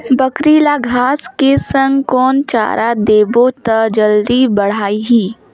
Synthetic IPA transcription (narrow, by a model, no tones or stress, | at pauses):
bɐkɾiːlaɡʱaːskesə̃ŋɡkɔːnt͡ʃa̰ːɾʔad̪eːbot̪əd͡ʒəld̪ibɐɽ̤aːiɦiː